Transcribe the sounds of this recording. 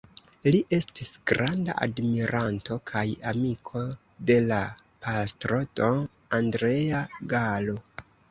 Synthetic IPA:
liʔe̞stisɡ̥ɾanda̰ʔa̰dmiɾʔanto̞kʰajamikʰo̞ | de̞lapastɾo̞toandɾe̞aɡalo

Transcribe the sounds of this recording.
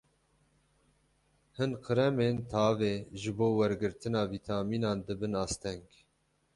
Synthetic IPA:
hɨnqʰɨɾɛmeːnt̪ʰɑːveːʒɨboːwɛɾɡɨɾt̪ɨnɑːviːt̪ʰɑːmiːnɑːnd̪ɨbɨnɑːst̪ɛŋɡ

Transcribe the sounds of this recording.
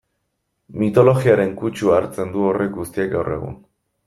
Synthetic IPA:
mit̪o̞lo̞ɣiaɾe̞ŋkut͡ʃuaɾt͡se̞nd̪uo̞rʔe̞k̚ɡust̪iek̚ɡawre̞̰ɣṵn

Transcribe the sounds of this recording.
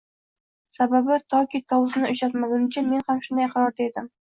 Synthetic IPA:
sababɪt̪ʰɒkʲit̪ʰɒwʊsnɪʊʃat̪maɡʲanɪt͡ʃʰɪme̞nhamʃʊnd̪ajqʰɑɾɒɾd̪ed̪ɪm

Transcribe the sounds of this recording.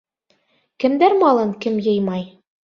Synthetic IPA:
kɘ̆md̪æɾmɑlˠɤŋkɘmjɤ̆jmɑj

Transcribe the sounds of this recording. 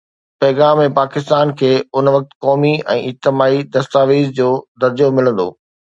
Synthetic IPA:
pɐːɣaːmːẽpaːkɪst̪aːnkʰeːʊnʋɐk̚t̪̆kɔːmiɛ̃ːɪd͡ʑt̪ɪmaːid̪ɐst̪aːʋiːzd͡ʑoːd̪ɐɾd͡ʑomɪlə̃nd̪o̰ː

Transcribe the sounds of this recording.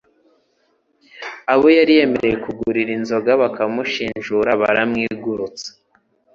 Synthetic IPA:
aβo̞jaɾije̞meɾe̞je̞kuɡuɾiɾinzo̞ɡaβakamuʃiːnʒuɾaβa̰ɾamŋiːɡuɾut͡sḁ

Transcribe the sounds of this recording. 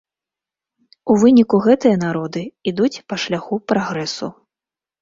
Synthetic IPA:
uvɨnʲikuɣɛt̪ɨjɐn̪aɾɔd̪ɨid̪ut͡sʲpɐʂlʲaxupɾaɣɾɛsṵ

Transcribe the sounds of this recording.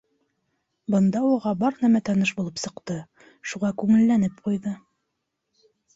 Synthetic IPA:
bɤ̆nd̪ɑwɤ̆ʁɑbɑɾnæmæt̪ɑnɤʃbulˠɤpsɤ̆qt̪ɤ | ʃuʁɑkʉŋɘ̆lːænɘp̚qujðɤ

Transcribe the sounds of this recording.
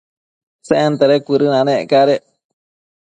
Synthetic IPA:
seʔent̪eɾekʷɨɾɨnãnẽekaɾe

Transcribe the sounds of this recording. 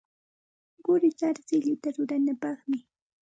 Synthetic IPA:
ɢʊɾɪt͡ʃaɾsɪʎʊt̪aɾʊɾanapɑχmɪ

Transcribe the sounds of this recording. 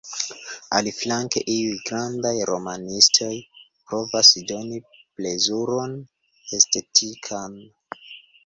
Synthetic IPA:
a̰liflaŋkḛʔiujɡɾandajɾo̞manistʰo̞jpɾo̞vasdo̞niple̞zuɾo̞n | e̞ste̞tʰikʰan

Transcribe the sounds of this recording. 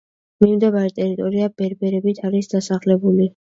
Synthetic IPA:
mimd̪ɛvaɾɛt̪ʼɛɾit̪ʼɔɾiabɛɾbɛɾɛbit̪ʰaɾisd̪asaχlɛbuli

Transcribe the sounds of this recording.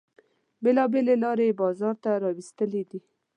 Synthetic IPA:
belɑbelelɑɾebɑzɑɾt̪aɾɑwist̪əled̪i

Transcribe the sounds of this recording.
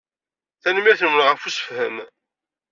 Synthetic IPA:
θænəmæθnəmənʁəfusə̥fhəm

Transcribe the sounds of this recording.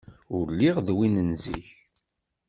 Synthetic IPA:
ʊɾliʁðwinənzḭç

